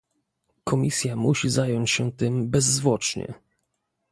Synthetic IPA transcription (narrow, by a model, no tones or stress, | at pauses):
kʰɔmʲisʲjamuɕizajɔɲt͡ɕɕɛt̪ɘmbɛzːvwɔt͡ʂɲɛ̰